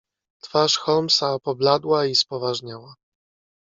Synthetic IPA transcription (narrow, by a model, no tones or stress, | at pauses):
t̪faʂxɔlmsaɔpɔblad̪waispɔvaʐɲawa